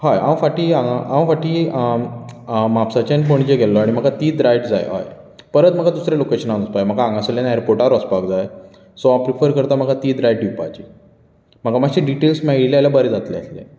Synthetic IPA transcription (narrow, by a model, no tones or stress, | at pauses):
ɦaja̰ə̃faʈiːãŋɡaʔaə̃faʈi | mapsat͡ɕanp̬oɳ̃id͡ʑeɡʱɛllɔaɽ̃im̤əkat̪iːd̪ɾajʈd͡za̰jḛɦa̰j | pəɾət̪̚m̤əkad̪usɾelokeɕənad͡zəspajm̤əkaãŋɡãseljanɛɾpoɾʈaɾɔspakd͡zaj | sɔapɾifəɾkəɾt̪am̤əkat̪iːd̪ɾajʈɖipa̰t͡ɕi | m̤əkamaɕẽɖiʈelsmɛɡilealjabəɾed͡zat̪leəslḛ̃